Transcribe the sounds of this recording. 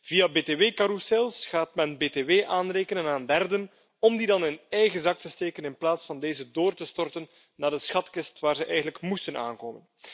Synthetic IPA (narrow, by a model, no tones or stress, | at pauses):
v̥ijabeːteːʋeːkaɾusɛlˠsχaːtmɛnbeːteʋeːʔaːnreːkənənaːndɛrdən | ɔmdidɑnɪnɛjɣəzɑk̚təsteːkənɪnplaːtsfɑndeːzədoːrtəstɔrtənː | aːdəsxɑtkɪstʋaːrzəʔɛjɣənələkmustəna̰ːnkoːmən